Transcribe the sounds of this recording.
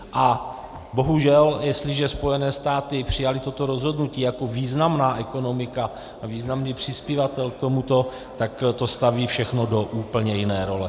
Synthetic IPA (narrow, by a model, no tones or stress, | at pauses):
ʔa | bo̞ɦuʒɛljɛst̪lɪʒɛspo̞jɛnɛːst̪aːt̪ɪpr̝̥ɪjalɪt̪o̞t̪o̞ɾo̞zɦo̞dnuciːjako̞viːznamnaːʔɛko̞no̞mɪka | aviːznamniːpr̝̥ɪspjɪvat̪ɛlk̚t̪o̞mut̪o̞ | t̪akt̪o̞st̪aviːfʃɛxno̞do̞ʔuːpl̩ɲɛjɪnɛːɾo̞lɛ